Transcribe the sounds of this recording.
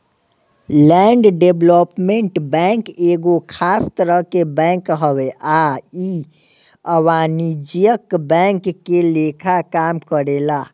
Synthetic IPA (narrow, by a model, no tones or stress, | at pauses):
lɛɳɖɖeblopmẽɳʈbɛ̃ŋkeɡokʰast̪əɾəɦkebɛ̃ŋkɦəweʔai | əwanid͡ʒijəkbɛ̃ŋkːelekʰakamkəɾela